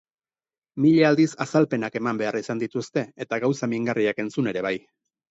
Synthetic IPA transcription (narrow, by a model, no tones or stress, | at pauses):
miʎeald̪isasalpe̞nake̞mambe̞arisand̪it̪ust̪e̞et̪aɣawsamiŋɡariake̞nt͡sune̞ɾe̞β̞aj